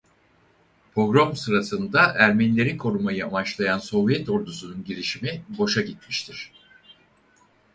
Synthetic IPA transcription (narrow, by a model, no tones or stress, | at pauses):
pʰo̞ɡɾo̞msɯɾasɯnd̪aʔæɾmɛnlʲe̞ɾinkʰo̞ɾumajɯamat͡ʃlˠajanso̞vjɛt̪o̞ɾd̪usununɟiɾiʃimibo̞ʃaɟit̪̚miʃt̪ʰiɾ̥